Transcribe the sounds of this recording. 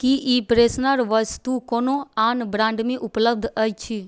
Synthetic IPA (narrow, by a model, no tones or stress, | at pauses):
kiʔiːpɾeːsnəɾʋəst̪ukoːnoaːnbɾãːɳɖmẽʔʊpləb̚d̪ʱət͡ʃʰi